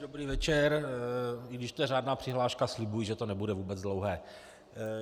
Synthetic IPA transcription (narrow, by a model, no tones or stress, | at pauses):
dobɾiːvɛt͡ʃɛɾ | ɪɡdɪʃt̪ojɛɾaːdnaːpr̝̥ɪɦlaːʃkaslɪbujʒɛt̪o̞nɛbudɛvuːbɛd͡zdlowɦɛː